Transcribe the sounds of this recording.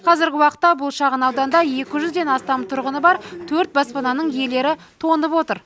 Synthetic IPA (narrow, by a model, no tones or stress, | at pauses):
qʰɑzɪɾɡʲɪwɑqə̥t̪ːɑbʊlˠʃɑʁənɑwd̪ɑnd̪ɑje̞kʲɪʒʏzd̪e̞nɑst̪ɑmt̪ʰʊɾʁənəbɑɾt̪ʰɵɾt̪̚bɑspɑnɑnəɴje̞le̞ɾɪ | t̪ʰo̞nəpwo̞t̪əɾ